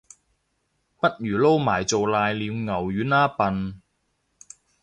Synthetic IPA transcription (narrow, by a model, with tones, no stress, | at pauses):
pɐ˥t̚jyː˨˩lo˥wmaː˨˩jt͡so˨wlaː˧jliː˨˧wŋɐ˨˩wjyː˨˥naː˥pɐ˨n